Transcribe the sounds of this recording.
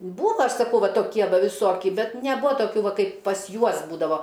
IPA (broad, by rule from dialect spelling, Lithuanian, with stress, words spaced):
ˈbuːʋɐ ˈɐʃ sɐˈkɐʊ ˈʋɐ toːˈkʲiɛ ˈʋɐ ʋʲɪˈsoːkʲɪ ˈbʲɛt nʲɛˈbʊɐ toːˈkʲuː ˈʋɐ ˈkɐɪp pɐs ˈjuɔs ˈbuːdɐʋoː